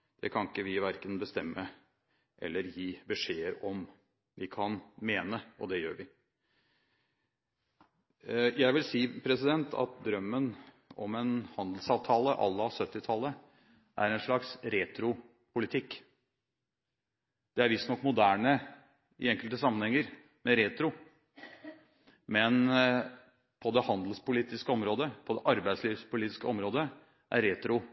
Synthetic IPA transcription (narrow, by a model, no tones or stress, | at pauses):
d̪̥ɛkʰɑnɪkːəʋɪʋæɾkənbəst̪ɛmːə | ʔɛ̰lːəɾjiːbəʂeːəɾɔm | ʋɪkʰɑnmeːnəʔɔd̪ɛjø̰ːɾʋɪ | jæɪʋɪlsiːpʰɾɛsɪd̪ɛnt̪ʰɑ̰t̪̚d̪ɾœmːən | ɔmɛnhɑnd̪l̩sɑːʋt̪ʰɑːləʔɑ̰lːəɑsœt̪ːɪt̪ʰɑlːə | ʔæ̰ɾɛnʂɭɑksɾeːt̪ʰɾʊ | pʊlɪt̪ʰɪkː | d̪̥ɛæɾʋɪst̪nɔkːmʊd̪æːɳə | ɪɛŋkəlt̪əsɑmːənhɛŋːəɾ | mɛɾeːt̪ɾʊ | mɛn | pʰɔd̪ɛhɑnd̪l̩spʊliːt̪ɪskəɔmɾoːd̪əpʰɔd̪ɛʔɑɾbæɪsliːʋspʊliːt̪ɪ̥skəɔmɾoːd̪ə | ʔæ̰ɾeːt̪ɾʊ